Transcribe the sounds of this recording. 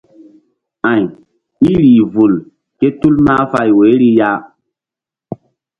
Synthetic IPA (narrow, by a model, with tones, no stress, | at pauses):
ã˨ɲ | i˦ɾiː˨vu˨l | ke˦tu˦lmaː˦fa˦˨jwe˨˦ɾi˦ja˦